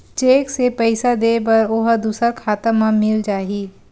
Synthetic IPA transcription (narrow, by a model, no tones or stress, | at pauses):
t͡ʃeːksepəɪsad̪eːbɐɾoɦd̪uːsəɾkʰaːt̪əmãmɪld͡ʒaːɦiː